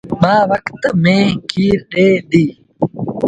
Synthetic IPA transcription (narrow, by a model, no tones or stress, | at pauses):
mãːʋɐkt̪mẽːkiːɾɗeːd̪iː